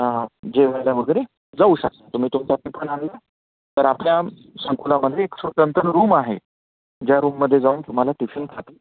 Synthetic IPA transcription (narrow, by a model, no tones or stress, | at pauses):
d͡ʑeʋajljaʋəɡəɾe | d͡zauɕək̚t̪at̪um̤iːt̪umt͡ɕap̪ipəɳanda | t̪əɾaplja | səŋkulaməd̪ʱjeːksət̪ənt̪əɾɾuːmaɦḛ | d͡ʑjaɾuːmːəd̪ʱːjed͡zaʋnt̪um̤alaʈiɕənkʰat̪i̥